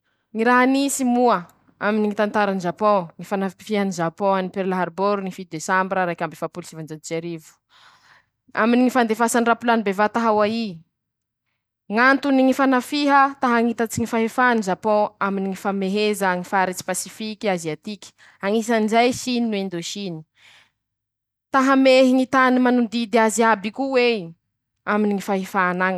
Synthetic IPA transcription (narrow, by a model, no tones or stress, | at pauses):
ŋiɾaɦanisimuə | aminiŋit̪ant̪aɾaniʒapɔ̃ŋifanafiɦəniʒapɔ̃anipeɾlaɦaɾboɾunifit̪d̪esambiɾaɾajkʲambefapulisivand͡ʒand͡ʒeɾivu̥ | aminiŋifand̪efasanrapulanibevat̪aɦawai | ŋant̪uniŋifanafiɦət̪aɦaŋit̪at͡siŋifaɦefanizapõaminiŋifameɦezaŋifaɾit͡si̥pasifikʲiaziat̪ikʲi̥ | aŋis̬anzajʃininwend̪oʃini̥ | t̪aɦameɦiŋit̪animanund̪id̪eaziabikuwe | aminiŋifaɦefanaŋ